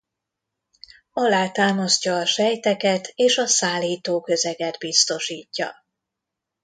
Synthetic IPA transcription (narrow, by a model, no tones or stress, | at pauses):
ɒlaːt̪aːmoscɒːʃɛjt̪ɛkɛt̪ʰeːʃɒsaːlːiːt̪oːkø̞zɛɡɛd̪bist̪o̞ʃiːcːɒ̰